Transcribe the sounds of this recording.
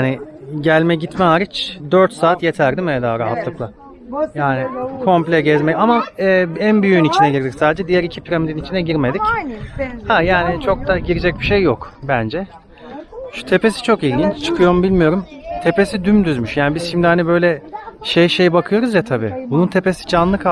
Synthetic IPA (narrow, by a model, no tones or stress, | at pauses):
anɪ | ɟælʲmɛɟit̪mɛɦaːɾit͡ʃd̪øɾt̪saːt̪je̞t̪ʰæɾd̪imɛd̪aːɾaɦat̪lˠɯklˠa | jaːnɪkʰo̞mplʲɛɟɛzmɛjamaɛːænbyjyynit͡ʃʰinɛɟiɾd̪iksaːd̪ed͡ʒɛd̪ijæɾicʰipʰiɾamid̪init͡ʃʰinɛɟiɾme̞d̪ic | hajaːnit͡ʃʰo̞k̚d̪aɟiɾid͡ʒɛc̚biʃejːokbænd͡ʒɛ | ʃu̥t̪ʰe̞pʰe̞si̥t͡ʃʰo̞kinint͡ʃt͡ʃʰɯ̥kʰɯjo̞ɾmubilʲmijo̞ɾumt̪ʰe̞pe̞sid̪ymd̪yzmyʃjaːnibiz̥ʃimd̪ihanibø̞jlʲɛʃejʃe̞jbakʰɯjo̞ɾuzjat̪ʰabḭːbununt̪ʰe̞pe̞si̥d͡ʒanlˠɯkʰ